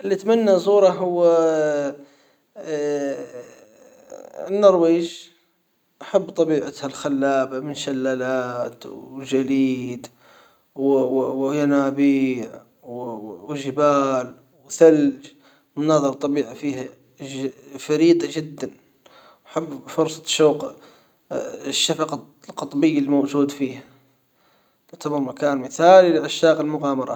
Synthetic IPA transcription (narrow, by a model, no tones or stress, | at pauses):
ʔɪlːit̪manːazˤuːɾˤɑɦʊwː | ɪnːɑɾˤweːʒ | ʔaħabːt̪ˤɑbiːʕat̪halxalːaːbamɪnʃalːaːlaːt̪ʒaliːd̪ | wwjanaːbiːʕ | wwʒɪbaːl | wθald͡ʒ | mʊnɑːðˤɑɾˤt̪ˤːɑbiːʕafiːha | faɾiːt̪ˤɑʒɪd̪ːan | wħabːfʊɾsˤɑ̥ʃuːq | ʃːafɑqɑ | lqɑt̪ˤbɪjːalmowʒuːd̪fiːha | ɪʕt̪ʰamɑɾˤmakaːnmɪθaːlilɪʔaʃːaːqɪlmʊɣaːmɑɾˤɑ̰